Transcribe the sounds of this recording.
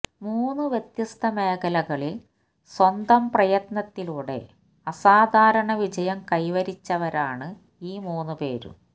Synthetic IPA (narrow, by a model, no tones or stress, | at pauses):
muːnːuʋjet̪jɐst̪ʰɐmeːkɐlɐɣɐɭil | swɐnd̪ɐmprɐjɐt̪nɐt̪ːiluːɽe̞̰ | ɐsaːd̪ʱaːɾɐɳɐʋid͡ʑɐjɐmkɐjʋɐɾit͡ɕːɐʋɐɾaːɳɨ | iːmuːnːupe̞ːɾṵ